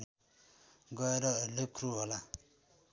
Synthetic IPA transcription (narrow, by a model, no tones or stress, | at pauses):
ɡʌeɾʌlep̚kʰɾuɦola